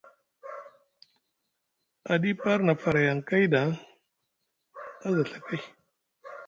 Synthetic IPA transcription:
a˨di˦pa˦ɾna˨fa˨ɾa˨ja˨ŋka˦jda˨˦ | a˦za˨ɬḁ˨ka˦j

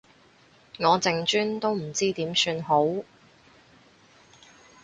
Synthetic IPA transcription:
ŋɔː˨˧t͡sɪ˧ŋt͡ʃyː˥nt̪o˥wm̩˨˩t͡siː˥t̪iː˨˥msyː˧nho˨˥w

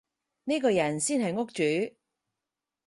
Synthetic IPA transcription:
ne˥kɔː˧jɐ˨˩nsiː˥nɦɐ˨jŋʊ˥k̚t͡ʃyː˨˥

